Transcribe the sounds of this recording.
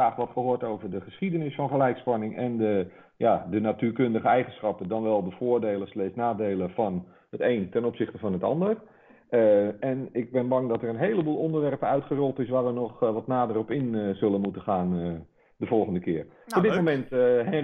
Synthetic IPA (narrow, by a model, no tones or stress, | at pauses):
aːχʋɔtχəhoːətowvərdəχəsχidənɪsfɔnχəlɛjkspɑnɪŋɛ̰ndə | jadənatyːkøndəχəɛjχənsχɑpədɔnʋɛlˠdəfoːɹdeːlˠəslɛːsnaːdeːlˠəfɔn | hətejntɛnopsɪxtəfɔnətɑ̰ndər | ɛnɪɡ̚bɪnbɑŋdɔtərənɦejləbuːlˠondərʋɛrpəœɥtχərɔlˠtɪs̬ʋaːɹʋənɔχʋɔtnaːdərɔpɪnzølˠənmutəχaːn | dəvɔlˠχəndəkɪər | ɔbdɪtmomɛntɦɛ